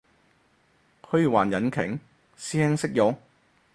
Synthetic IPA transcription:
hʰɵ˧ɥwaː˨˩njɐ˨˥nkʰɪ̰˨˩ŋ | siː˥hɛ˥ŋsɪ˥k̚jɔː˨˥ŋ

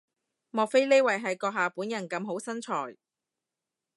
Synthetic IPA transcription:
mɔː˨k̚fe˥jle˥jwɐ˨˩jɦɐ˨jkɔː˧ɦaː˨puː˨˥njɐ˨˩nkɐ˨˧mɦo˨˥wsɐ˥nt͡ʃʰɔː˨˩j

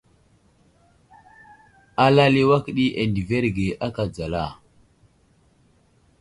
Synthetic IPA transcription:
a˦la˦li˦wa˦kɗi˦ʔe˨ndi˨ve˦ɾɡe˨ʔa˦ka˨d͡za˨la˦˨

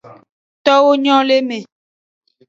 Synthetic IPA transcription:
t̪ɔ˦wo˦ɲɔ̃˦le˦mẽ˨

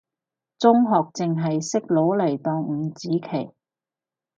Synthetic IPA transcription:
t͡sʊ˥ŋɦɔː˨k̚t͡sɪ˨ŋɦɐ˨jsɪ˥k̚lo˨˥wle˨˩jt̪ɔː˧ŋ̩˨˧˥t͡siː˨˥kʰe˨˩j

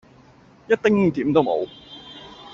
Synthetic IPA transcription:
jɐ˥t̚t̪ɪ˥ŋt̪iː˨˥mt̪o˥wmo̰˨˧w

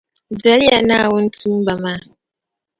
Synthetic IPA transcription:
d͡za˨˦lja˨na˦˨wo˦n̩˦ti˦m˦ba˨ma˦˨

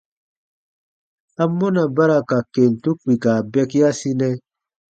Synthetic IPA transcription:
a˦mːo˦na˨ba˦ɾa˨ka˨ke˨n˨tu˦k͡pi˨ka˨bɛ˦ki˦a˦si˦nɛ˦

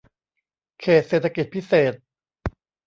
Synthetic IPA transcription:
kʰeː˨˩t̪̚seː˨˩t̪ʰːa˧ki˨˩t̪̚pʰi˦˥seː˨˩t̪̚

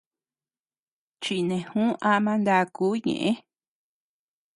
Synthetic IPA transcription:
t͡ʃi˧nẽ˨hũ˦a˦mã˧nd̪a˧kuː˦ɲḛ̃˨ʔẽ˦

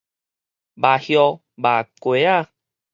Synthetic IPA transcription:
ba˨hjɔ˧ | ba˨kwe˨˦a˦˧˨

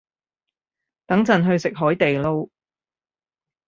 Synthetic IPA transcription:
t̪ɐ˨˥ŋt͡sɐ˨nɦɵ˧ɥsɪ˨k̚ɦɔː˨˥jt̪e˨jlo˥w

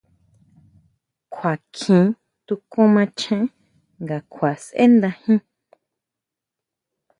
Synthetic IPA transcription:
kʷʰa˨kʰĩ˨˦ | t̪u˧kõ˦mã˧t͡ʃʰẽ˦ | ŋɡa˨kʷʰa˨sʔḛ˦nd̪ã˧hĩ˦

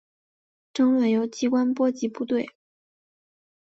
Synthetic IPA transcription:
ʈ͡ʂɤ˥ŋwə˨˩njo˧˥ʊt͡ɕi˧˥kwa˥npwɔ˥t͡ɕi˧˥pu˥˧t̪we˥˩ɪ

